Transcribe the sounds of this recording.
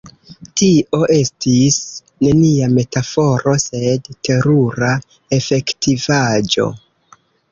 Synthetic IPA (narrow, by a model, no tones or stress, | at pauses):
tiʔo̞ʔe̞stis | ne̞niame̞tafo̞ɾo̞se̞dte̞ɾuɾa | e̞fe̞ktivad͡ʒo̞̰